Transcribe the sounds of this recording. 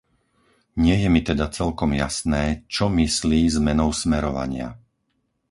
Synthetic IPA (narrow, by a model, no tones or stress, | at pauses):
ɲɪɛjɛmit̪ɛd̪at͡sɛlkɔmjasnɛːt͡ʃɔmisliːzmɛnɔʊsmɛɾɔʋa̰ɲɪa̰